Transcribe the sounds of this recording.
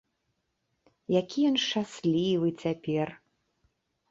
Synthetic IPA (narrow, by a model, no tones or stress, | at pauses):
jakʲijɔnʂt͡ʂasʲlʲivɨt͡sʲapʲɛr